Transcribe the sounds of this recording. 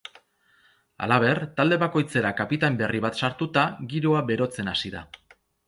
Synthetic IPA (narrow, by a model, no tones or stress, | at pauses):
a̰laβ̞e̞rt̪ald̪e̞βako̞jt͡se̞ɾakapit̪ambe̞riβat̪saɾt̪ut̪aɡiɾoaβe̞ɾo̞t͡se̞nasiða̰